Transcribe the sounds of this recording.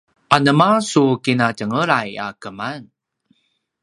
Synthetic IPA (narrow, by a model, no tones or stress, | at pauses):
ʔanəmasukinatəŋəɾaja̰kəman